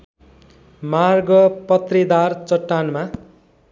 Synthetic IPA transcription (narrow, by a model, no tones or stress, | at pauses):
marɡʌpʌt̪rid̪art͡sʌʈːanma